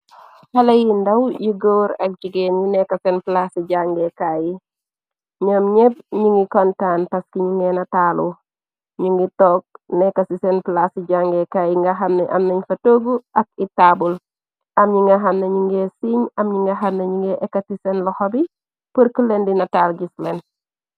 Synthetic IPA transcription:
hɐlɐjindɐwjiɡoːɾɐk̚ɟiɡenjinɛkɐsɛnplasiɟaŋɡɛkaji | ɲomɲeb̚ɲuŋɡikɔntaːnpɐskiɲuŋɡɛnɐtaːlu | ɲuŋɡitɔːk̚nɛkɐsisɛnplasiɟaŋɡɛkajiŋɡɐɦɐmnɐʔɐ̰mnɐɲfɐtoɡuʔɐk̚itabul | ʔɐmɲuŋɡɐɦɐmnɐɲuŋɡesiɲɐmɲiŋɡɐɦɐmnɐɲuŋɡɛʔɛkːɐtisɛnlɐxɔbi | pəɾkəlendinɐtaːlɟislen

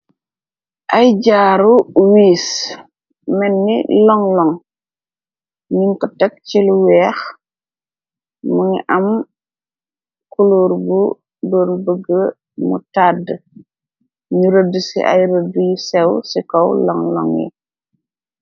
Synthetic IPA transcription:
ʔajɟaːɾuwiːs | mɛnːḭlɔŋlɔŋ | ɲiŋkɔtɛk̚t͡ʃiluwɛːx | muŋḭʔɐm | kuluːɾbu | dɔːnbəɡə | mṵtad | ɲuɾədsḭʔa̰jɾədujisɛwsikɔwlɔŋlɔ̰ŋjḭ

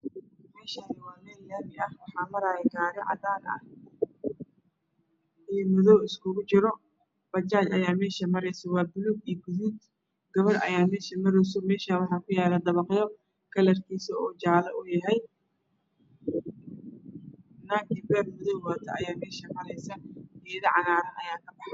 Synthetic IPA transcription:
mɛːʃaːnɪwaːmɛːljaːmɪʔɐhwɑħɑːmɐɾaːjɛɡaːɾɐʕɑ̰d̪aːnɐ̰h | iːmʊðɔwɪskʰʊɣʊt͡ʃɪɾɔ | b̥ɐt͡ʃaːt͡ʃɐjaːmɛːʃɐmɐɾɛjsɐwɑːbʊluɡiɡʊðuːd̪ | ɡ̥ɐβɐrʔɐ̰jaːmɛːʃɐmɐɾɛjs̬ɔmɛːʃanwɑħɑːkʰʊjaːlɐd̪ɐβɑqjɔ | kʰɐlɐrkʰiːsɐɔːt͡ʃaːlɐʔʊjɐɦɛj | naːkɪbɛrmʊðɔwwaːt̪ʰɐɐjaːmɛːʃɐmɐɾɛjsɐʔɛːðɐʕɑnaːɾɐnɐjaːkʰɐbɑħɑ

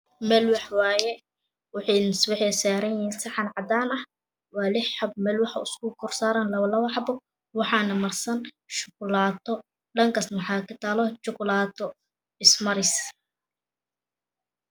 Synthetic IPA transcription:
mɛːlwɑħwɑːjɛ | wʊħɑnswɪħɛːsaːɾɐnjɪhiːnsɐħɑnʕɑd̪aːnɐh | wɑːlɪħħɐb̚mɛːlwɑħɐ̰ʊskʊkʰʊrsaːɾɐnlɐwɐlɐwɑħbɔ | wɑħɑːnɐmɐrsɐn | ʃʊkʊlaːt̪ʰɔ | ɖɐŋkʰɐsnɐħɑːkʰɐt̪ʰaːlɔt͡ʃʊkʊlaːt̪ʰɔ | ɪsmɐɾɪs

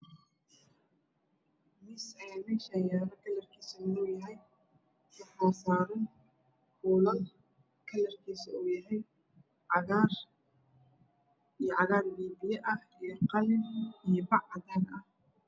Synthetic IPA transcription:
mɪsɛjaːmɛːʃajaːɾɐkʰɐlɐrkʰiːsɐʊnɔːjɐɦɛj | wɐħɔːsaːɾɐn | kuːlɐn | kʰɐlɐrkʰiːsɐuːjɐɦɛj | ʕɑɣaːr | ijɞʕɑɣaːrbiːbɪjɛʔɐh | ijɔqɑlɪnijɞbɑʕɑd̪aːnɐh

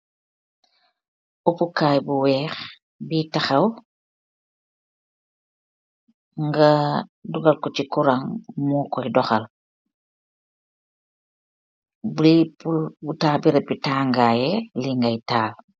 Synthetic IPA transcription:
upukaːjbuwɛːx | bitaxɐw | ŋɡaduɡalkɔt͡ʃikuɾaŋmukɔjdɔxɐl | bipubutaːbiɾɛpbitaːŋɡaːjɛliŋɡajtaːl

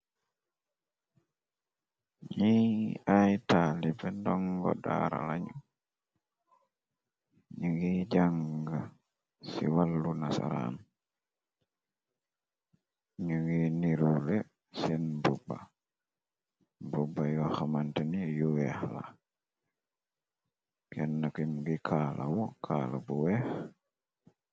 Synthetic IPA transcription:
ɲiajtalipɛndɔŋɡɔ̰da̰ɾa̰laɲu | ɲuɡid͡ʒaŋɡa | sḭwalːunasa̰ɾa̰n | ɲuŋɡiniɾule | sɛnbubːa | bubːajɔxamantenijuwɛhla̰ | kɛnːakimuɡikʰaːlʔawɔkʰaːlabuwɛx

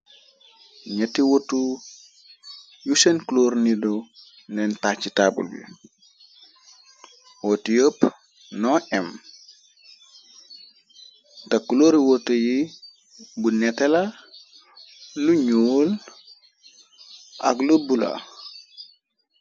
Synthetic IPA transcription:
ɲɛtiwotu | jusenkloːɾnido | nɛntat͡ʃitaːbṵlbḭ | wotijəːp | nɔʔɛm | takːuloɾiwotəji | bunɛtɛla | uɲoːl | ʔa̰ɡlubula̰

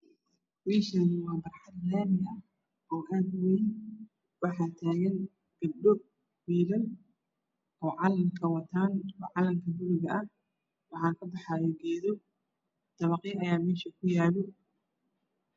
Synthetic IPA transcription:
wiːʃɐnwɑːbɐrħɑd̪laːnɪɐ | ʔɔːʔaːd̪wen | wɑħɑːt̪ʰaːɣɐn | ɡ̥ɐb̚ɖɔ | wiːlɐn | ʔɔːʕɑlɐmkʰɐwɐt̪ʰaːnɔːʕɑlɐŋkʰɐbʊɾɪɣɐʔɐh | wɑħɑːkʰɐbɑħɑːjɔɡɛːðɔ | t̪ɐβɑqjʔɐjaːmɛːʃɐkʰʊjaːlɔ

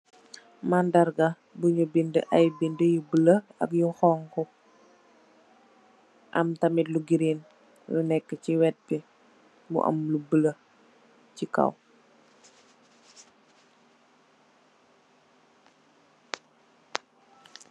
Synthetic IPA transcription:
mandɐrɡa | buɲubində̰ʔɐjbindəjubələɐ̰kjuxɔːŋkɔ | ʔɐ̰mtɐmitluɡiɾeːn | lunɛkːəciwɛt̚bi | mṵʔɐ̰mlubələ | cikɐ̰w

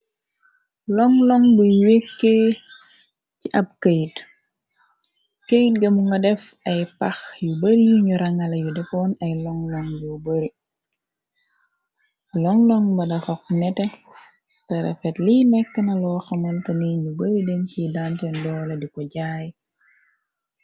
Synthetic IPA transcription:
lɔŋlɔŋbuwekːe | ciʔɐp̚kejt | kejt̚ɡɐmuŋɡɐdɛfɐjpɐxjubɐɾijuɲuɾɐŋɐlɐjudɛfɔnɐjlɔŋlɔŋjɔbɐɾi | lɔŋlɔŋbɐdɐfɐknɛtɛ | tɛɾɐ̰fɛtlinɛkːənɐlɔxɐmɔntɐniɲubɐɾidɛncidantɛndɔːlɐdikɔɟaːj

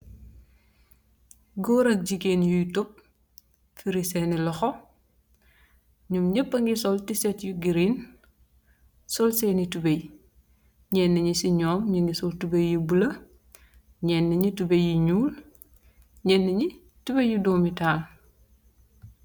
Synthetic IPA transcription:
ɡɔːɾɐk̚d͡ʒiɡeːnjujtɔp̚ | fiɾisɛnilɔxɔ | ɲumɲəpːəŋɡisɔltisɛtjuɡiɾin | sɔlsɛnitubej | ɲɛːnːəɲisiɲɔːmɲiŋɡisɔltubejːibulɐ | ɲɛnːiɲitubejjiɲuːl | ɲɛːnːəɲi | tubejːudɔːmitaːl

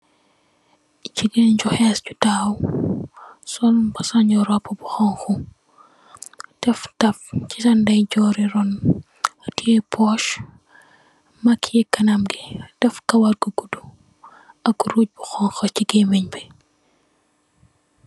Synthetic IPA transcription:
ciɡenɲɟuxɛscutaːw | sɔnbɐsɐɲɔɾɔpːɐbuxɔŋxu | d̥ɛftɐfcitɐndɐjɟɔːɾiɾɔn | tiɛpʰɔʃ | mɐkʰiɛkɐnɐmɡid̥ɛfkɐwɐrɡuɡudu | ɐkːuɾuc̚buxɔŋxɐciɡemiɲbi

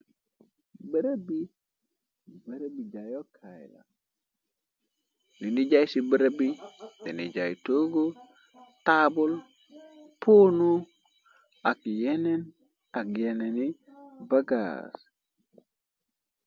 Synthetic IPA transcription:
bəɾabi | bəɾabid͡ʒajokʰajla̰ | niniɟajsibəɾabinenid͡ʒajtoɡo | tabul | pʰoːnu | akjenen | akjenenibaɡa̰s

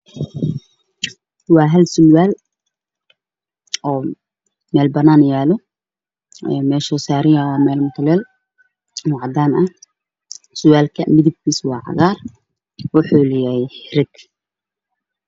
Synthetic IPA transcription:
wɑːɦɐlsʊwaːl | ɔː | mɛːlbɐnaːnjaːlɔ | ɛːmɛːʃɔːsaːɾɪawɑːmɛːlmʊt̪ʰʊlɛːl | mʊʕɑd̪aːnɐ | sʊwaːlkʰɐmɪðɪb̚kʰiːswɑːʕɑ̰ɣaːr | wʊħuːlɪjahɪɾɪɡ̪

